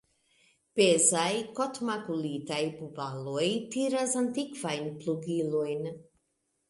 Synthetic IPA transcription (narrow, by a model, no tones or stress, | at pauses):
pezajkot̪makulit̪ajbubalujt̪iːɾazant̪ikvajnpluɡilujn